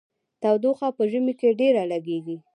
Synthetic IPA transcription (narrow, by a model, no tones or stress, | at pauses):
t̪awd̪oxapəʒəmikeɖeɾalaɡeɡi